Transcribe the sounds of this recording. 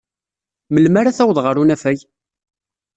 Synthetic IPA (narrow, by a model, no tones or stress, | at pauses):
məlmaɾaθæwðˤʁəɾunæfæj